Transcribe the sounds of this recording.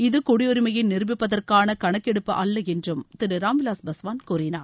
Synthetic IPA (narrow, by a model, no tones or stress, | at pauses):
ɪðɯkʊɽɪjɔɾɪmɐjɪnnɪɾɯbɪpːɐðɐrkaːnɐkɐɳɐkːɛɽɯpːɯʔɐlːɐɛndrɯmt̪ɪɾɯɾaːmɪlaːsbɐsʋaːnkuːrɪnaːɾ